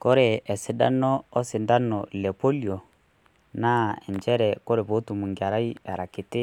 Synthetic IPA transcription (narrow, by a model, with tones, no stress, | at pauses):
kɔ˦ɾɛ˨ɛ˨sɪ˨˦da̰˦nɔː˦sɪ˨nda˦nɔ˨lɛ˨pɔ˦li˨ɔ˨ | na˦ɛ̰˨ɲd͡ʒɛ˦ɾɛ˨kɔ˦ɾɛ˨βo˨˦tu˨mu˨ŋɡa˨ɾa˦i˦ɛ˨ɾa˨kɪ˨tɪ˦